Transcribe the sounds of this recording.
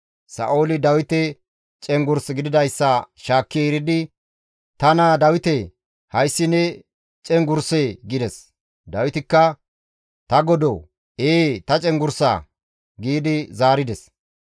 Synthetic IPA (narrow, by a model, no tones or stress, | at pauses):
sɐ̰ʔo̞ːlɪd̪ɐwɪt̪ɛ | t͡ʃʼɛŋɡʊɾsɡɪd̪ɪd̪ɐjsːɐʃaːkːɪɾɪd̪ɪ | t̪ɐnad̪ɐwɪt̪ɛ | hɐjsːɪnːɛ | t͡ʃʼɛŋɡʊɾseɡɪd̪ɛs | d̪ɐwɪt̪ɪkːɐ | t̪ɐɡɔd̪o | eːt̪ɐt͡ʃʼɛŋɡʊɾsa̰ | ɡiːd̪ɪzaːɾɪd̪ɛs